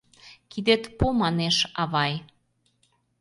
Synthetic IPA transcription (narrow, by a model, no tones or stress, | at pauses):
kid̪et̪pumɑneʃɑβɑj